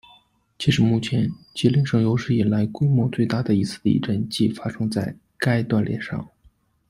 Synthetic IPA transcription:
t͡ɕʰi˧˥ʂɻ̩˧˥mu˥˩t͡ɕʰjɛ˧˥nt͡ɕi˥li˥ŋʂɤ˥˩ŋjo˧˥ʊʂɻ̩˥˩i˨˩nla˧˥ɪkwe˥ɪmwɔ˧˥t͡swe˥˧ɪt̪a˥˩d̪ə˩i˧˥t͡sʰɹ̩˥˩d̪ə˧ḭ˥˩ʈ͡ʂə˥˧nt͡ɕi˥˩fa˥ʂɤ˥ŋt͡sa˥˩ɪ | ka˥ɪt̪wa˥˧nljɛ̰˥˧nʂɑ̰˥˩ŋ

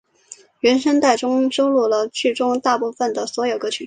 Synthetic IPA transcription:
ɥɛ˧˥nʂə˥nt̪a˥˩ɪʈ͡ʂʊ˥ŋʂo˥ʊlu˥˩lə˩t͡ɕʰy˥˩ʈ͡ʂʊ˥ŋt̪a˥˧pu˥˩fə˨˩nd̪ə˩swɔ˧˥jo˨˩ʊkɤ˥˩t͡ɕʰy˨˩

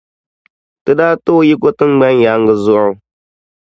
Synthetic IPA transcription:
tɨ˦daː˦to˦ji˦ko˦tɨ˦ŋ͡mɡ͡ba˦n˦ja˦ŋ˦ɡɨ˦zʊ˦ʔʊ˦

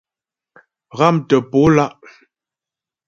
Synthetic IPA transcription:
ɣa˦˨mtə˨po˨˦la˦ʔ

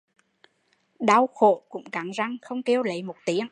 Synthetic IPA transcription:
ɗa˧wxo̰˧˨kʊ̰˧˥ŋ͡mka˨˦ŋza˧ŋxə˧wŋ͡mke˧wlə˨˦jmo˨˩t̚t̪i˨˦əŋ

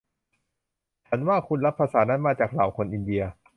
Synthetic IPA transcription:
t͡ɕʰa˩˦nwaː˥˩kʰu˧nla˦˥pʰːaː˧saː˩˦na˦˥nmaː˧t͡ɕaː˨˩k̚laː˨˩wkʰo˧nʔi˧ndi˧ɐ

